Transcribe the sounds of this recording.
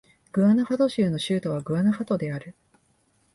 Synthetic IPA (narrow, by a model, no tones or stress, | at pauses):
ɡ̥ɯ̟anohat̪o̞ɕɨːno̞ɕɨːt̪o̞β̞aɡɯ̟anohat̪o̞d̪e̞aɾɯ̟